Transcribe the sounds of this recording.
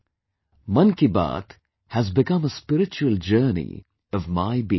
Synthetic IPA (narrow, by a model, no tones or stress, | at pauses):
mʌ̃nkiba̰ːt̪ | hæzbɪkʌ̃məspɪɾɪt͡ʃuəld͡ʒɜːnḭ | ʌvmaɪbi